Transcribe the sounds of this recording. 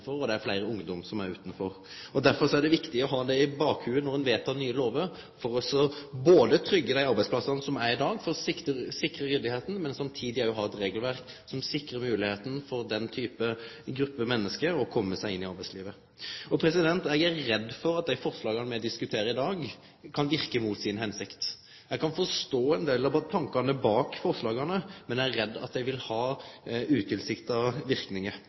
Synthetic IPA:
fɔɾɔd̪ɛæɾflæɪɾəʊŋd̪ɔmsɔmæɾʉ̰ːt̪n̩fɔɾ | ɔd̪æɾfɔɾsɔæɖ̪ɛʋɪkt̪ɪɔɦɑːd̪ɛɪbɑːkhʉːənɔɾɛnʋeːt̪ʰɑnyːəloːʋəɾ | fɔɾɔsɔboːd̪ət̪ʰɾʏɡːəd̪æɪɑɾbæɪspʰlɑsɑnsɔmæɾɪd̪ɑːɡfɔɾɔsɪkəsɪkɾəjɪd̪ɪheːt̪n̩mɛnsɑmt̪ʰiːd̪ɪæɾjʊɦɑːɛt̪ɾeːɡəlʋæɾk | sɔmsɪkɾəmʉːlɪheːt̪n̩fɔɾd̪ɛnt̪ʰyːpəɡɾʉpːəmɛnːəskəɾɔkʰɔmːəsæɪɪnːɪɑɾbæɪsliːʋə | ɔpʰɾɛsɪd̪ɛnt̪ɛɡæɾːɛd̪ːfɔɾɑt̪̚d̪æɪfɔɾslɑːɡɑnəmɛɔd̪ɪskʉt̪ʰeːɾəɪd̪ɑːɡ | kʰɑnʋɪɾkəmuːt̪sɪnɦɛnsɪkt̪ | jɛɡkʰɑnfɔʁʂt̪oːɛnd̪eːlɑt̪ʰɑŋkɑnəbɑːkfɔʁʂlɑːɡɑnəmɛnææɛd̪ːɑ̰t̪̚d̪ɛɪʋɪlhɑːʉːt̪ʰɪlsɪkt̪ɑʋɪʁknɪŋə

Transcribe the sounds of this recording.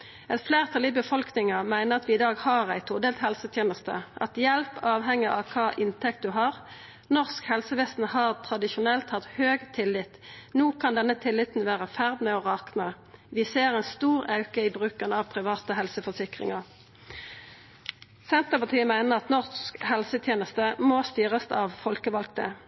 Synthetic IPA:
ɛt̪fleːʁt̪ʰɑliːbəfɔlknɪŋəmæɪnəʁɑt̪ʋɪɪd̪ɑːɡhɑːʁæɪt̪ʰʊʁd̪eːlt̪hɛlsət̪ʰjeːnəst̪ə̰ʔɑ̰t̪jɛlpɑːʋɦɛŋːəʔɑ̰ʋkʰɑːʔɪnt̪ʰɛkt̪̚d̪ʉɦɑːʁ | nɔʁskhɛlsəʋɛːst̪n̩hɑːʁt̪ʰʁɑd̪ɪʃʊnɛlt̪hɑt̪høːɡt̪ʰɪlːɪt̪nuːkʰɑnd̪ɛnːət̪ʰɪlːɪt̪n̩ʋæːʁəfæʁd̪mɛɔʁɑːknə | ʋɪseːʁɛɪnst̪uːʁɑʉkəiːbʁʉːkənɑʋpʰʁɪʋɑːt̪əɦɛlsəfɔsɪkʁɪ̰ŋɑʁ | sɛnt̪əpɑt̪ʰiːəmæɪnəʁɑt̪nɔʁsskhɛlsət̪ʰjeːnəst̪əmost̪yːʁəsɑʋfɔlkəʋɑlkt̪ə̰

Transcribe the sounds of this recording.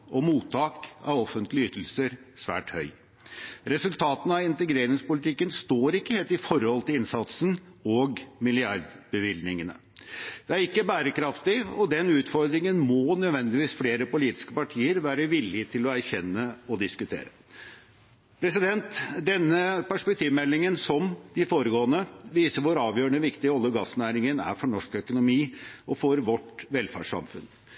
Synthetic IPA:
ʔɔmuːt̪ʰːɑːkɑ̰ʋɔfənt̪lɪyt̪l̩səɾsʋæ̰ːʈhœʏ | ɾɛsʉlt̪ʰɑːt̪n̩ɑɪnt̪əɡɾeːɾɪŋspʊlɪt̪ʰɪkːənst̪oːɾɪkːəheːlt̪ɪfɔɾhɔlt̪ɪlɪnsɑt̪sn̩ɔɡmɪlɪɑɾd̪bəʋɪlnɪŋənə̰ | d̪ɛæɾɪkːəbæːɾəkɾɑft̪ɪɔd̪ɛnʉːt̪fɔɾd̪ɾɪŋənmoːnœd̪ʋɛnd̪ɪʋiːsfleːɾəpʊliːt̪ɪ̥skəpɑʈʰiːəɾʋæːɾəʋɪlːɪt̪ʰɪlɔæɾçɛnːəɔd̪ɪskʉt̪ʰḛːɾə | pʰɾɛsɪd̪ɛnt̪d̪ɛnːəpæʂpɛkt̪ʰiːʋmɛlːɪŋənsɔmd̪ɪfoːɾəɡoːənəʋiːsəʋʊɾɑːʋjøːɾəɳəʋɪkt̪ɪɔlːəɡɑsːnæːɾɪŋənæ̰ɾfɔɳɔʂkœkʊnʊmiːɔfɔɾʋɔʈʋɛlfæ̰ʂɑ̰mfʉ̰n

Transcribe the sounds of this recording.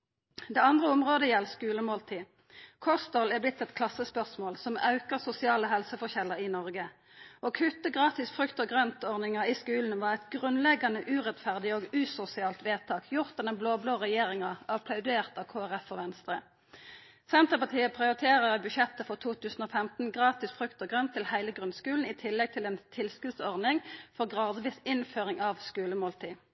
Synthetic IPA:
d̪eːɑnd̪ʁəʊmʁoːd̪əjɛlːskʉːləmoːlt̪ʰiː | kʰɔst̪ɔlæblɪt̪ːɛt̪kʰlɑsːəspœʁsmoːlsɔmɑʉkəʁsʊsɪɑːləɦɛlsəfɔçɛlːəʁɪnɔʁɡə | oːkʰʉt̪ːəɡʁɑːt̪ɪsfʁʉkt̪ɔɡʁœnt̪ɔʁnɪŋɑiskʉːln̩ʋɑːʁɛt̪ɡʁʉnlɛɡːɑnəʔʉːʁɛt̪fæʁd̪ɪoːɡʉːsʊsɪɑːlt̪ʋeːt̪ʰɑːkʰjʊʁt̪ɛnɛnbloːbloːʁɛjeːʁɪŋɑʁɑpʰlɑʉd̪eːʁt̪ɑʋkʰoːæʁɛfɔʋɛnst̪ʁə | sɛnt̪əpɑt̪ʰiːəpʰʁɪʊʁɪt̪ʰeːʁəʁəbʉʃjɛt̪əfɔʁt̪ʰuːt̪ʰʉːsn̩oːfɛmt̪n̩ɡʁɑːt̪ɪsfʁʉkt̪ɔɡʁœnt̪ʰːɪlhæɪləɡʁʉnskʉːln̩ɪːt̪ʰɪlːɛɡ̚t̪ʰɪlɛeːnt̪ʰɪlskʉlt̪sɔʁnɪŋfɔʁɡʁɑːd̪ʋiːsɪnføːʁɪŋɑʋskʉːləmoːlt̪ʰiː

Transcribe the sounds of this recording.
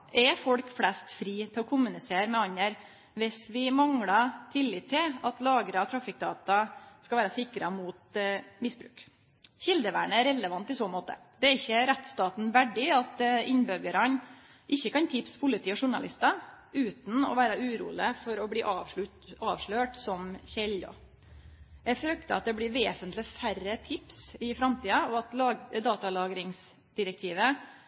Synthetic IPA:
ʔɛfɔlkflɛst̪fɾiːt̪ʰɪlɔkʰʊmʉnɪseːɾmɛɑɲːəɾ | ʋɪsʋɪmɑŋɽɑt̪ʰɪlːɪːt̪ʰːɪlɑt̪lɑːɡɾɑt̪ʰɾɑfɪk̚d̪ɑːt̪ɑskɑʋæːɾəsɪkɾəmut̪mɪsbɾʉ̰ːk | çɪld̪əʋæ̰ːɳəæɾɛlːəʋɑnt̪ɪsoːmoːt̪ə̰d̪̥ɛæɾɪçːəɾɛt̪st̪ɑːt̪n̩ʋæɖɪɑt̪ɪnbœɡəɾɑn | ʔɪçːəkɑnt̪ʰɪpspʰʊlɪt̪ʰiːɔʂʊɳɑ̰lɪ̰st̪ɑ | ʉːt̪n̩ɔ̰ʋæːɾəʉːɾṵːlɪəfɔɾɔbliːʔɑ | ʔɑːʋʂɭøːʈsɔmçɛlɔ̰ | jæfɾœkt̪əɑt̪̚d̪ɛblɪɾʋeːsənt̪lɪfæɾət̪ʰɪpsɪfɾɑmt̪iːɑɔɑt̪lɑd̪ɑːt̪ɑlɑːɡɾɪŋs | d̪̥ɪɾɛk̚t̪ʰiːʋə

